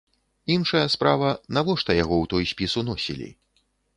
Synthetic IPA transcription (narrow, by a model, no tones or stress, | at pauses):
inʂɐjɐspɾavɐnavɔʂt̪ɐjaɣɔwt̪ɔjsʲpʲisunɔsʲḭlʲḭ